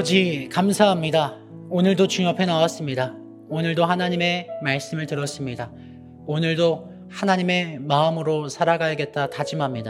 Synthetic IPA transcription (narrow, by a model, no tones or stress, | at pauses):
ʌd͡ʑikamsʰaɦamɲida | onɯɭdot͡ɕuŋʌpʰe̞nawas͈ɯmɲida | onɯɭdohanaɲime̞maɭs͈ɯmɯɭtɯɾʌs͈ɯmɲida | onɯɭdo | hanaɲime̞maɯmɯɾosʰaɾaɡajʌɡe̞t̚t͈atad͡ʑimamɲida